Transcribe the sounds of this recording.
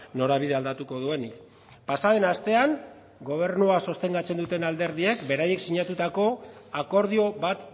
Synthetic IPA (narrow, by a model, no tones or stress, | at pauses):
no̞ɾaβ̞iðe̞ald̪at̪uko̞ðue̞nik | pasaðe̞nast̪e̞aŋ | ɡo̞β̞e̞ɾnuaso̞st̪e̞ŋɡat͡se̞nd̪ut̪e̞nald̪e̞ɾðie̞kbe̞ɾaje̞ksiɲat̪ut̪ako̞ako̞ɾð̞io̞βat̪